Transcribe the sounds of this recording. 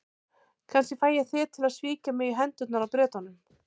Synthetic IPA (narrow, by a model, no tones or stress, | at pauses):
kʰanscɪfaːjaθɪt̪ʰɪlaðsviːcamɪiɦɛnt̪ʏt̪naɾawpɾɛːt̪anːʏm